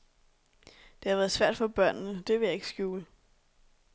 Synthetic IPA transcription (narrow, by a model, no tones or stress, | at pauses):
d̥e̝hɑʋæːɐð̞ˠsʋæɐ̰d̥fɒ̽b̥ɶɐ̰nnəd̥e̝ʋe̝jɑ̈e̝ɡ̥sɡ̥juːl